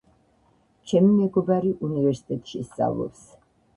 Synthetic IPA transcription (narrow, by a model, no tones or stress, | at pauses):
t͡ʃʰɛmimɛɡɔbaɾiʔunivɛɾsi̥t̪ʼɛt̪ʼʃist̪sʼa̰vlˠɔ̰ps